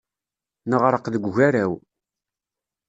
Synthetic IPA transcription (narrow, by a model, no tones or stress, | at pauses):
nəʁɾəqðəɡʷʝæɾæw